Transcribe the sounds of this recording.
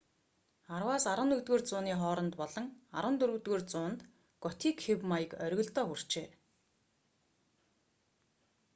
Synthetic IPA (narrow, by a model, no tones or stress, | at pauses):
arwaːsaɾə̆nɵkt̪ɣoːrt͡sʊːniːχɔːɾɞ̆nt̪pɔɮɞ̆ŋaɾə̆nt̪ɵɾɵ̆t̪ɣoːrt͡sʊːnt̪ | ɡ̥ɔt̪ʰiːkxewmajə̆kœɾʲɣɵ̆ɮt̪ɔːxur̥t͡ɕeː